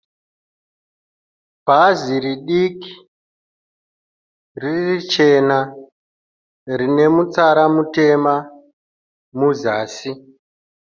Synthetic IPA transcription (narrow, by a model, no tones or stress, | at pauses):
bʱaziɾiɗiki̥ | ririt͡ʃe̞na | rine̞mut͡saɾamute̞ma | muzaːsi